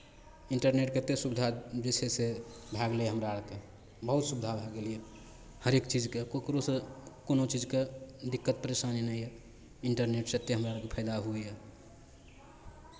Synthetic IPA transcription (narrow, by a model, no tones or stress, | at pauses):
iɳʈəɾneʈ̚ket̪esubd̪ʱad͡ʒet͡ʃʰesebʱaɡleeɦəmɾaɽke | bəɦut̪subɪd̪ʱabʱaɡelie | həɾekt͡ʃid͡ʒkekokɾosekonot͡ʃid͡ʒked̪ikːət̪̚pəɾesaninəiɛ | iɳʈəɾneʈset̪ːeɦəmɾaɾkepʰəɪd̪aɦuijɛ